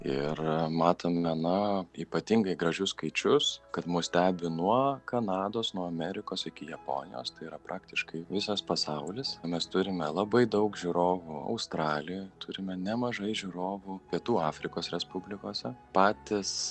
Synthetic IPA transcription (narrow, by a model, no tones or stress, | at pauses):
ɪrmɑːt̪oːmʲɛnɐiːpɐt̪ʲɪŋɡɐɪɡɾɐʒʲʊsskɐɪt͡ʃʲʊskɐt̪muːsʲt̪ʲæːbʲɪnuɔkɐnɑːd̪oːsnuɔɐmʲɛɾʲɪkoːsɪkʲɪjɛpo̰ːnʲɪjo̰ːst̪ɐɪiːɾɐpɾʔɑːkt̪ʲɪʃkɐɪʋʲɪsɐspɐsɐʊlʲɪsmʲɛst̪ʊɾʲɪmʲɛlˠɐbɐɪd̪ɐʊkʒʲuːɾoːʋuɐ̰ʊst̪ɾɑːlʲɪjt̪ʊɾʲɪmʲɛnʲɛmɐʒɐɪʒʲuːɾoːʋʊpʲiɛt̪uːɑːfʲɾʲɪkoːsɾʲɛspʊbʲlʲɪkoːsʲɛpɑːt̪ʲɪs